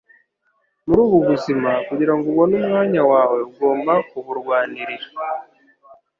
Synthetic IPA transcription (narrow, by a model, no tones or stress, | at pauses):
muɾuːβuβuzimakuɟiɾaŋɡoβo̞numŋaːɲawaːwe̞uɡo̞ːmbakuβuɾɡwaːniɾiɾa